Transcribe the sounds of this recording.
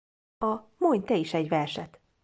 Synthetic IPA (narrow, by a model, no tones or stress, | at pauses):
ɒmoɲt̪ɛiʃɛɟʋɛrʃɛt̪